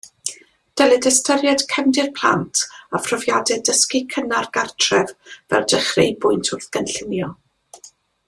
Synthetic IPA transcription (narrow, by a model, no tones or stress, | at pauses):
d̥ɛlɛdəstəɾjɛd̥kʰɛmdɪrpʰl̥ˠa̰ntʰafrɔvjadɛdəskikʰənarɡartʰrɛvv̥ɛ̰rdəχrejbʊɨntʰʊrθɡ̥ənɬɪmjɔ